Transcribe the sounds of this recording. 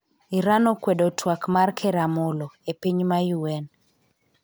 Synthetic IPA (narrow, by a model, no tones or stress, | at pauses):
iɾanɔkwɛdotʰwakmarkʰɛɾamolɔepiɲmajuwɛn